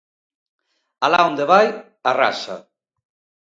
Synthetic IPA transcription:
alaond̪eβaj | ara̰sa̰

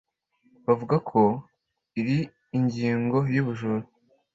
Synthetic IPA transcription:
βavuɡakʰo̞ | iɾiː | ɲɟiːŋɡo̞juβuʒoɾo

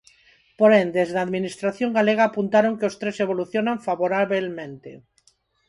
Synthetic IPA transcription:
poɾend̪ezðaðminist̪ɾaθjoŋɡaleɣ̞aːpunt̪aɾoŋkeost̪ɾeseβ̞oluθjonaɱfaβoɾaβelmẽnt̪e

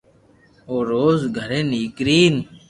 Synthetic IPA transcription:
oːɾoːzɡʱəɾeːniːkɾiːn

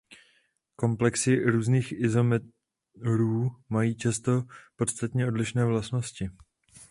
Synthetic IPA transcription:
ko̞mplɛksɪɾuːzniːxɪzo̞mɛ | ɾuːmajiːt͡ʃast̪o̞po̞t̪st̪at̪ɲɛʔo̞dlɪʃnɛːvlastno̞scɪ

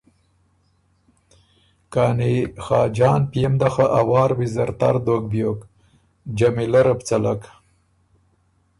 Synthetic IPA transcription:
kɑːnixɑːd͡ʒɑːnpjemd̪axaʔawɑːɾwizaɾt̪a̰ɾd̪ok̚bjok | d͡ʒamilaɾapt͡salak

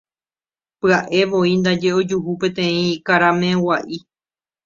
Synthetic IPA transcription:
pɨaʔe̞ʋo̞ind̪ad͡ʒe̞o̞d͡ʒuɦupẽ̞t̪ẽ̞ĩkaɾame̞waʔi

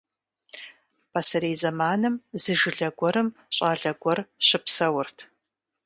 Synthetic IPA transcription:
pʰasɐɾeːzɐmaːnɨmzɨʒɨɮɐɡʷɔɾɨmɕʼaːɮɐɡʷɔrɕɪpsɐwʊrtʰ

